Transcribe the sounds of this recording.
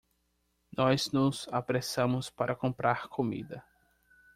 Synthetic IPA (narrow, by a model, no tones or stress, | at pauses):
nɔznʊzapɾesɐ̃mʊspaɾʔɐkõmpɾaɾkʰomḭd̪ɐ